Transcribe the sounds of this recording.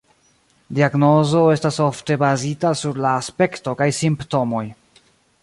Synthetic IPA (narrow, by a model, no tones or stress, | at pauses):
diaɡno̞zo̞estasofte̞bazitasuɾlaːspe̞kto̞kajsimpto̞mo̞j